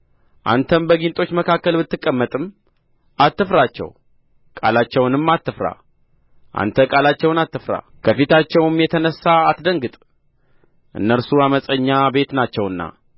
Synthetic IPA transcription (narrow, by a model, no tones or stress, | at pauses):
ʔa̰nt̪ʰənbəɡint̪ʼo̞t͡ʃːməkʰakːəlbɨt̪ːɨkʼːəmːət̪ʼɨm | at̪ːɨfɾat͡ʃːɛ̰w | kʼa̰lat͡ʃːɛwnɨmːat̪ːɨfɾa̰ | ʔa̰nt̪ʰəkʼalat͡ʃːɛwnat̪ːɨfɾa̰ | kʰəfit̪at͡ʃːɛwɨmjɛt̪ʰənəsːaːt̪d̪əŋɡɨt̪ʼ | ʔɨ̰nːəɾsuaməsʼəɲːabe̞t̪nat͡ʃːɛwɨnːa̰